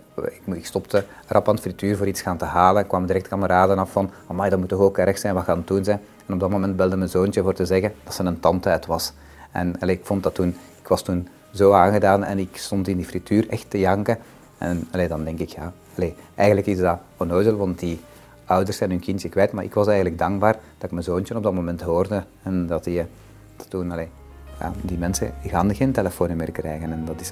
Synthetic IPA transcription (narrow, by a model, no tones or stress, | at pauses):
kɪkstɔptə | rʔɑpaːndəfrityːrvoːɾitsxaːntəɦaːləɛnkːʋɑmdiɾɛktkɑməɾaːdənɑffɑn | ɑmɛjdɑtmutɔxoːkɛɾəxsɛːnʋaxaːnətunzɛjn | ɛnɔb̚dɑtmoːmɛnt̚bɛlˠdəmənzoːntəvoːrtəzɛɣəd̥ɑtsənəntɑntœːtʋɑs | ɛ̰nɑleːɪkfɔntdɑtːunɪkʋɑstun | zoːaːnɣədaːnɛ̰nɪkstɔntɪndiːfrityːrɛxtəjɑŋkə | ɛ̰nɑleːdɑndɛŋkɪkjaː | ɑleɛjɣənləkɪzdɑ | ɔnojzəlˠʋɑnt̚di | œwdərsɛnɦynkɪntjəkwʋɛjtmaːɾʔɪ̰kʋɑsɛjɣənləɡ̚dɑŋɡ̚baːrd̥ɑɪk̚mənzoːntjənɔbdɑtmomɛntɦoːrdə | ɛndɑti | d̥ɑ̥tːunɑleː | ja̰ːdimɛnsə̰ɣaːnəɣeːnteləfoːnəmeːrkrɛːjɣənɛndɑtɪs